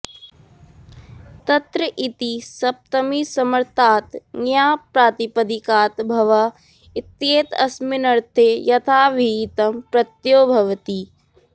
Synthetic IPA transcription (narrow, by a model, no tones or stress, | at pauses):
t̪ɐt̪ɾəʔit̪isɐp̚t̪ɐmisɐmɐɾt̪ʰaːt̪ŋjaːpɾaːt̪ipɐd̪ikaːt̪bʱɐʋɐ | ɪt̪jeːt̪ɐ̰smɪnɐɾt̪ʰeːjɐt̪ʰaːʋit̪ɐmpɾɐt̪joːbʱɐʋt̪i